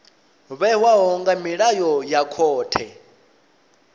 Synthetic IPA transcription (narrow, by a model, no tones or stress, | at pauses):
βɛwaɦɔŋɡamiɺajɔjakʰɔːtʰɛ